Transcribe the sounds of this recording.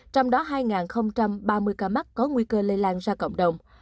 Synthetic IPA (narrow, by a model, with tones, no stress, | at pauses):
t͡ɕɔ˧wŋ͡mɗɔ˨˦ɦaː˧jŋaː˨˩nxə˧wŋ͡mt͡ɕa˧mɓaː˧mɨ˧əjkaː˧ma˦˥t̚kɔ˨˦ŋwi˧kəː˧le˧laː˧nzaː˧kə̰˧˨wŋ͡mɗə˨˩wŋ͡m